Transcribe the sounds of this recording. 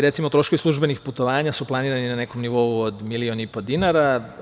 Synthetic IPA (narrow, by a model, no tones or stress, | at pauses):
ɾe̞t̪simo̞t̪ɾo̞ʃkoʋislˠuʒbe̞nixput̪oʋaːɲasuplˠaniːɾaninane̞komniʋo̞uod̪milio̞nipo̞d̪inaɾa